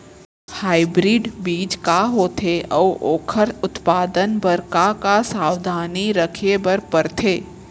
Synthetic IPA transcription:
haːɪbɾiɖbiːd͡ʒkaɦoːt̪ʰeɔːoːkʰəɾʊt̪paːd̪ənbəɾkakasaːwd̪ʱaːniɾɐkʰebəɾpɐɾt̪ʰeː

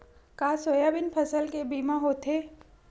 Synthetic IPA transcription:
kaːsoːjabɪnpʰəsəlkebiːmãɦoːt̪ɦeː

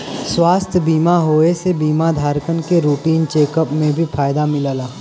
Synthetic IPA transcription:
swaːst̪ʰjəbiːmaɦoːesebiːmad̪ʱaːɾkənkeɾuːʈiːnt͡ʃeːkəpmẽbʱifʰaːjd̪amɪləːlaː

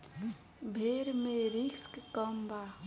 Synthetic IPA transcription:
bʱeːɾmẽɾikskkəmba

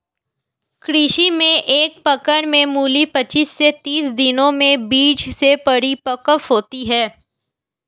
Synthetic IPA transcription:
kɾɪʃimẽʔeːk̚pɐkəɾmẽmuːlipɐt͡ʃiːsːet̪iːsd̪ɪnõmẽbiːd͡ʒsepɐɽipɐkəfɦoːt̪iɦɛː

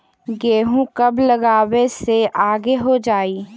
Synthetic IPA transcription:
ɡeːɦũkɐbləɡaːweseʔaːɡeɦod͡ʒaːiː

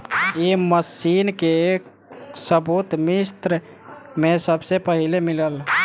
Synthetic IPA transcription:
iməsinke | səbut̪mist̪ɾ | mesəbsepəɦilemiləl

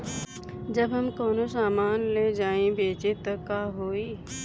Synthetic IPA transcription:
d͡ʒɐbɦɐmkoːnosaːmaːnled͡ʒaːẽbeːt͡ʃet̪ːɐkaːɦoːiː

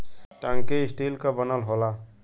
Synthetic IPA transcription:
ʈãŋkeɪsʈelkabənalɦola

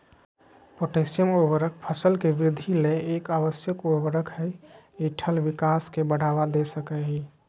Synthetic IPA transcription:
poʈesijəmobəɾək̚pʰəsəlkeʋɾɪd̪ʱːileːkabəsjəkobəɾəkʰɦɛeʈʰəlʋɪkaskebəɽ̤aʋad̪esəkəɦi

